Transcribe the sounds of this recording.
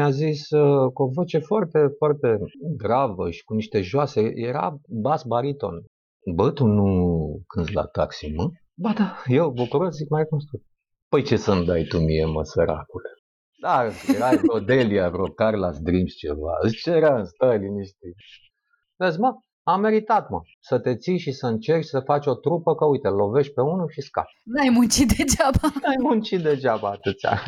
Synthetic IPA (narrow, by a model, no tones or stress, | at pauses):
mʲaziskuovo̞t͡ʃe̞foart̪efoart̪e̞ɡ̪ɾavəʃi̥kuniʃt̪e̞ʒoasejeɾa̰basbaɾit̪o̞̰n | bət̪unukʰɨnzla̰t̪a̰ksimɨ | bad̪ajewbukuɾoszikmaɾekums̬t̪ut̪ | pəjt͡ʃe̞sənud̪ajt̪umiemə̰səɾa̰kule | d̪aɨsjeɾaod̪eliavɾokarlasd̪ɾimst͡ʃe̞̰va̰ɨst͡ʃeɾənst̪əliniʃt̪i | vezmə | amːe̞ɾit̪at̪mə | sət̪e̞t̪sijʃisəɨnt͡ʃe̞rt͡ʃsəfat͡ʃʲo̞t̪ɾupəkəujt̪elo̞ve̞ʃʲpe̞unuʃiska̰tnajmunt͡ʃit̪̚d̪ed͡ʒabanajmunt͡ʃit̪̚d̪e̞d͡ʒabaːt̪ɨt̪sʲa̰